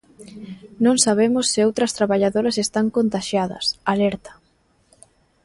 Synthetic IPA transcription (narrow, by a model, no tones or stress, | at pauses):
nõŋsaβemʊsːɪowt̪ɾɐst̪ɾaβaʎaðoɾɐsest̪aŋkont̪aʃjaðɐ̰salɛɾt̪ɐ̥